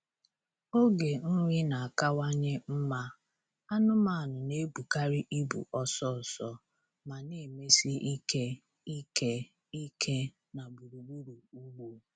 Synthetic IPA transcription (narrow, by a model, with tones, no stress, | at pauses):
o˦ɡe˨ŋ̩˦ŋʷi˦na˨a˨ka˦wa˦ɲe˦m̩˦ma˦ | a˦nʊ˦ma˦a˨nʊ˨ne˦bu˨ka˦ɾɪ˦ʔi˦bṵ˨ʔɔ˦sɔ˦˨sɔ˦ | ma˨ne˨me˦si˦ʔi˦ke˦ | i˦ke˦ | i˦kʰe˦ | na˨bu˨ɾu˨bu˦ɾu˨u˦ɡ͡bo˦